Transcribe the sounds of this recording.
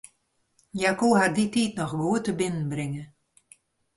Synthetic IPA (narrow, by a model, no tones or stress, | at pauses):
jakuːɦarditiːtnɔxʋuətəbɪnən̩brɪŋə